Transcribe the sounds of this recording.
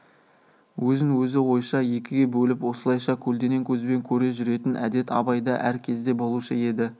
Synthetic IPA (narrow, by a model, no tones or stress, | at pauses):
wɵzɪŋwɵzɪwo̞jʃɑje̞kʲɪɡʲe̞bɵlɪpwo̞səlˠɑjʃɑkʲʰɵld̪e̞ne̞ŋkʲʰɵzbe̞ŋkʲʰɵɾe̞ʒʏɾe̞t̪ɪnʔæ̰d̪e̞t̪ɑ̰bɑjd̪ɑ̰ʔæɾkʲʰe̞zd̪e̞bo̞lˠuʃəe̞d̪ɪ